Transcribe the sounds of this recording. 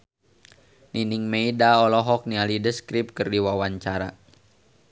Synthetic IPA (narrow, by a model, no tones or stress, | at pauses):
niniŋmeidaɔlɔɦɔk̚nialidəskɾip̚kərdiwawaɲt͡ʃaɾa̰